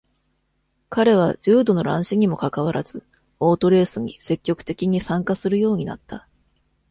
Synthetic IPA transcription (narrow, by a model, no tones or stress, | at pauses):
kaɾe̞β̞ad͡ʑɨːd̪o̞no̞ɾãɰ̃ɕiɲ̟imo̞kakaβ̞aɾʔaz̥ɨ | o̞ːt̪o̞ɾe̞ːsɨɲ̟ise̞kʲːo̞kɯ̥t̪e̞kʲiɲ̟isãŋkasɨɾɯ̟jo̞ːɲ̟ina̰t̪ːa